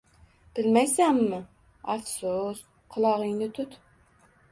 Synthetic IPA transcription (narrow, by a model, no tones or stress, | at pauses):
b̥ɪlmɛjsæmːɨ | ɑfsus | qʰʊlˠɑʁijnɪt̪ʰʊt̪